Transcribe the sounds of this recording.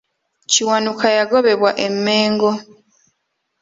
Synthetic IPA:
ciwanukʰajaɡo̞βe̞βwaʔe̞mːe̞ːŋɡo̞

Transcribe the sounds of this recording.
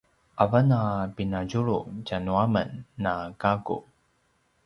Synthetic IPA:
ʔavənapinaɟuɭucanuamənːaɡaɡṵ

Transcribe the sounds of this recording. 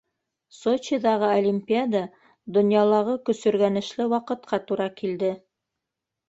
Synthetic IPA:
sot͡ɕid̪ɑʁɤolʲimʲpʲiad̪ɑ | d̪ŏnjɑlˠɑʁɤkɵ̆sɵ̆ɾɡænɘ̆ʃlɘwɑqɤ̆t̪qʰɑt̪uɾɑkild̪ɘ

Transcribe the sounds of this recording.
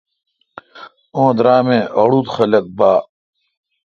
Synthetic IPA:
õːd̪ɾaːmẽːʔɐɽuːt̪xɐlɐk̚baː

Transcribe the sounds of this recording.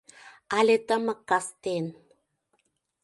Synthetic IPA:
alet̪aməkːast̪en

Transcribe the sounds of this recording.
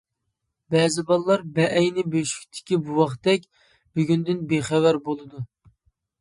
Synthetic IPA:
bɛzɪbɑlˠlˠɑɾbɛʔɛjnɪbøʃy̥kʲt̪ʰɪ̥kʲibuwɑχt̪ɛkʲ | byɡʲynd̪ynbeχɛwæɾbolˠɨd̪u

